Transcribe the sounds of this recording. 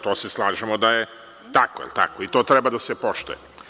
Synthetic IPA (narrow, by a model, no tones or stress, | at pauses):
t̪oːseslˠaːʒemod̪aje | t̪akojḭlt̪a̰koit̪oːt̪ɾebad̪asepoʃt̪ujḛ